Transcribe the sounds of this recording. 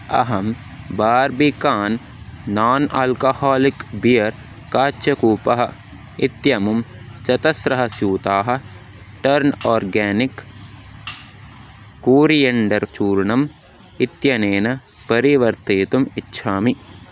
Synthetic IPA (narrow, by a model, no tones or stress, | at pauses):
ɐ̰ɦɐm | baːɾbikaːnː | aːnʔɐːlkɐhaːlikbijɐɾ | kaːt͡ʃɐkuːpɐɦɐ | it̪jɐmumt͡ʃɐt̪ɐsɾɐɦɐsjuːt̪aːɦɐ̆ | ʈɐɾnɔːɾɡɛːnik | uːɾijɐɳɖɐɾt͡ʃuːɾɳɐm | it̪jɐneːnɐ | pɐɾiʋɐɾt̪eːt̪umitːʃʰaːmi